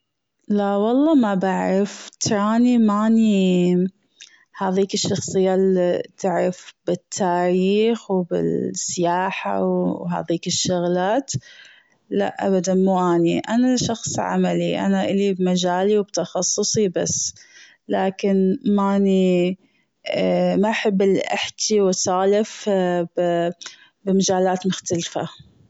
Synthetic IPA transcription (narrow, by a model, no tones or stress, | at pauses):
laʔwɑlˤːɑmabaʕɾɪft̪ɾˤaːnimaːni | haːðiːkɪʃːɑxsˤɨjːalit̪ʰɪʕɾafb̥ɪt̪ʰːaːɾiːxwbɪ̰lsːɪjaːħa̰wwɦa̰ːðiːkɪʃːʊɣlaːt̪ | la̰ʔʔa̰bad̪anmuʔaːniʔanaʃɑxsˤʕa̰maliʔa̰naʔɪlibmad͡ʒaːliwb̚t̪ɑxɑsˤːʊsˤibasː | laːkɪnmani | maʔħɪbːɪlʔɪ̰ħt̪iwɪsaːlɪf | bɪmad͡ʒaːlaːt̪mʊxt̪alfa̰